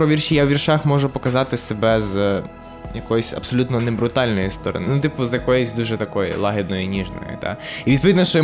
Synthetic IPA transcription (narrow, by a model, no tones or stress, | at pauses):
pɾɔʋʲirʃijawʋʲirʃɑxmɔʒʊpɔkɐzɑt̪ɪsebɛz | jɐkɔjʊsʲɐ̰psɔlʲut̪nɔnɛbɾʊt̪ɑlʲnɔjʊst̪ɔɾɔ̰nɪ̰nut̪ipʊzjɐkɔjɔsʲd̪uʒɛt̪ɐkɔjʊ̰lˠɑɦed̪nɔjʊnʲiʒnɔ̰jʊ̰t̪ɑ̰iʋʲid̪pɔʋʲid̪nɔʃt͡ʃɔ